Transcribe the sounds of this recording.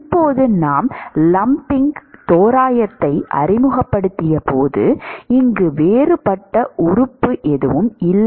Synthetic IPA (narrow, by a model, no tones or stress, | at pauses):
ɪpːoːðɯnaːmlɐmpɪŋɡt̪oːɾaːjɐt̪ːɐɪʔɐ̰rɪmɯɣɐpːɐɽɯt̪ːɪjɐpoːðɯ̰ɪŋɡɯʋeːrɯpɐʈːɐʔʊrɯpːɯʔɛðɯ̰ʋɯmɪlː